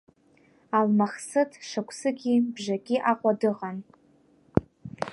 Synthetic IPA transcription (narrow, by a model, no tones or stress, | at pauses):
almaχsɨtʰʂakʷʰsɨɡʲibʒaɡʲʼiʔaqʷʼadɨqʼan